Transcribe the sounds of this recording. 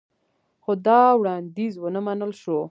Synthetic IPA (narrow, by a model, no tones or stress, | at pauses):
xod̪ɑwɽɑnd̪izwənəmanəlʃo